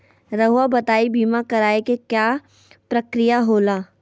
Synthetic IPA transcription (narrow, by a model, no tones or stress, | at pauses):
ɾɐɦʊwabɐt̪aːibiːmakɐɾaːekekjaː | pɾɐkɾɪjaɦoːlaː